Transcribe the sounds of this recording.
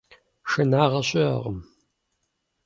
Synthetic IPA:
ʃɐnaːʁɐɕʼɪɐ̰ʁəm

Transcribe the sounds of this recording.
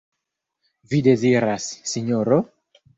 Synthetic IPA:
vid̪eziɾasːiɲoɾo

